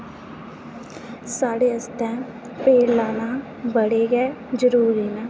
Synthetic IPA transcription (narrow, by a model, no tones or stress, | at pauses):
saːɽeːəst̪ɛ̃ː | peːllaːna | bəɽeɡɛːd͡ʒəɾuːɾiːnɛː